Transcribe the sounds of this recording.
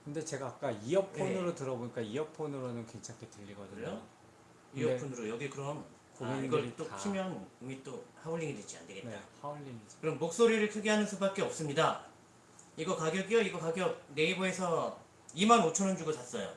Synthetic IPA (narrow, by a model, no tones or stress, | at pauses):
kɯnde̞t͡ɕe̞ɡaːk͈aijʌpʰonɯɾotɯɾʌboɲik͈aijʌpʰonɯɾonɯnke̞nt͡ɕʰaŋtʰetɯʎːiɡʌdɯɲɲo | iʌonɯɾojʌɡikɯɾʌm | koɡʌiɡʌɭit͈oimjʌnomit͈ohauʎːiŋidwet͡ɕia̰nde̞ɡe̞tn͈a̰ohauɭːiŋikɯɾʌmːok̚s͈oɾiɾɯɭkʰɯɡiɦanɯnsʰubak͈̚eʌp̚s͈ɯmɲida | iɡʌkaɡjʌɡiʌiɡʌkaɡjʌk̚ne̞iboe̞sʰʌ | imanot͡ɕʰʌnɯnd͡ʑuɡot͡ɕas͈ʌjo̰